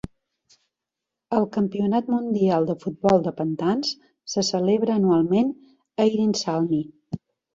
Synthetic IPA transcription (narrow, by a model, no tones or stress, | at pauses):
əlˠkəmpiunat̪mund̪ialˠd̪əfud̪̚bɔlˠd̪əpənt̪ans | səsəleβɾəːnualˠmen | əiɾinsalˠmi